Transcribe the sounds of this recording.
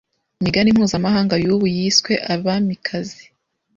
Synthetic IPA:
imiɡanimhuːzamaɦaːŋɡajuːβujiswe̞ʔaβamikʰazi

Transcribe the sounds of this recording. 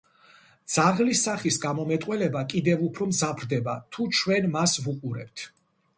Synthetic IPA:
d̪z̥aʁlisaχisɡamɔmɛt̪ʼqʼwɛlɛbakʼid̪ɛvupʰɾɔmzapʰɾd̪ɛbat̪ʰut͡ʃʰwɛnmasvuqʼuɾɛ̰p̚t̪ʰ

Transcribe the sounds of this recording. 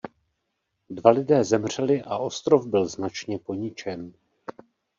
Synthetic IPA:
dvalɪdɛːzɛmr̝̥ɛlɪʔaʔo̞st̪ɾo̞vbɪlznat͡ʃɲɛpo̞ɲɪt͡ʃɛn

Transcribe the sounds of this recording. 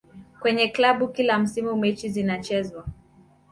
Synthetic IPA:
kwɛɲɛklaɓukilam̩simumɛt͡ʃizinat͡ʃɛzwa

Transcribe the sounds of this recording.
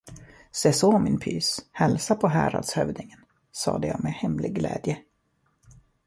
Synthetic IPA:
seːsoːmɪnpʰyːshɛlsapʰɔɦæːɾa̰d̪shœvd̪ɪŋən | sɑ̰ːd̪əja̰ːmehɛmlɪɡːlɛ̰ːd̪jə

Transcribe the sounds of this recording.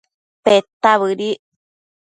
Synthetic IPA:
pet̪aβɨɾi

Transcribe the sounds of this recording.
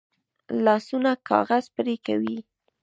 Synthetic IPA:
lɑsunakɑ̰ɣazpɾeka̰wi

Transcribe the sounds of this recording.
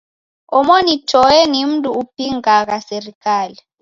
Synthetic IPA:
ɔmoni̥ʒ̥ʱɔjɛnim̩tʼuːp̚ʰiŋak̬asɛrikʰʼaːlɛ

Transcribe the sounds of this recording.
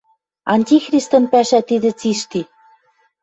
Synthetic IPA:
ɑnʲtʲixrʲist̪ɤ̆npæʃæt̪id̪ɘ̆t͡siʃt̪i

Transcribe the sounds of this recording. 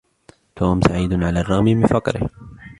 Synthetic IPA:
t̪ʰoːmsaʕiːd̪ʕalaːrˤːɑɣmɪbɪfɑqɾɪ̰h

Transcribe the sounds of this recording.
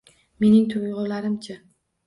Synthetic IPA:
me̞nɪŋt̪ʰʊjʁʊlaɾɪmt͡ʃʰa

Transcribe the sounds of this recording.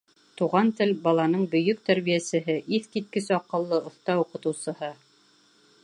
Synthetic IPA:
t̪uʁɑnt̪ɘlbɑlˠɑnɤɴbɵ̆jɵk̚t̪æɾβijæsɘ̆ɦɘʔiθkit̪̚kɘsɑqɤ̆lˠːɤŏθt̪ɑuqɤ̆t̪ɤ̆wsɤ̆hɤ

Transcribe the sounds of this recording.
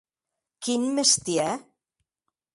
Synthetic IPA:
kinmest̪iɛ

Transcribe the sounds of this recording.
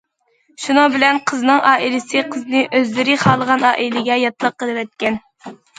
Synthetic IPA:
ʃunɨŋbɪlɛnqʰəznɨŋʔɑːilɪsɨqʰəznɨʔøzlɪɾɪχɑːlˠəʁɑnɑːʔilɪɡʲɛjɑt̪lˠəqːəlˠɨwɛt̪̚kʲɛn

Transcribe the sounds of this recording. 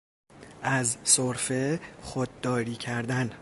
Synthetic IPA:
ʔæzsoɾfexod̪̚ːɒːɾiːcʰæɾd̪æn

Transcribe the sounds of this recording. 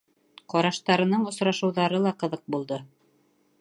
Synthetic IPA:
qɒɾɑʃt̪ɑɾɤ̆nɤɴŏsɾɑʃɤ̆wðɑɾɤlˠɑqɤ̆ðɤq̚bulˠd̪ɤ

